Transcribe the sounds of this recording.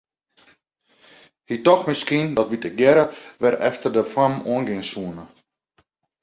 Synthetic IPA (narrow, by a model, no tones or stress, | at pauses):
hitɔxmɪskiəndɔtʋitəɡjɛɾəʋɛrɛ̰ftərdəfamuənɡɪnsuənə